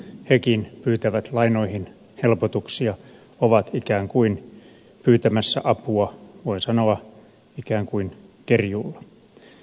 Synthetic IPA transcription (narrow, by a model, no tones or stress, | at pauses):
hekinpyːt̪æʋæt̪lɑino̞ihin | helpot̪uksiɑ | oʋɑt̪ikæːŋkuin | pyːt̪æmæsːæ̰ʔɑpuɑʋoinsɑnoɑ | ikæːŋkuinkerjulːɑ